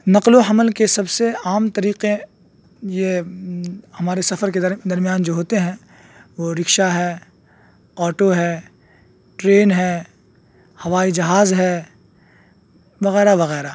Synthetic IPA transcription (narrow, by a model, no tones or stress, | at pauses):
nɐqloɦɐməlkesɐbseaːmt̪ɐɾiːqe | je | hɐmaːɾesɐfəɾked̪ɐɾmijaːnd͡ʒoːɦoːt̪eɦɛ̃ | ʋoɾɪkʃaɦɛː | ɔːʈoɦɛː | ʈɾeːnɦɛː | hɐʋaːid͡ʒɐɦaːzɦɛː | ʋɐɣɛːɾaʋɐɣɛːɾaː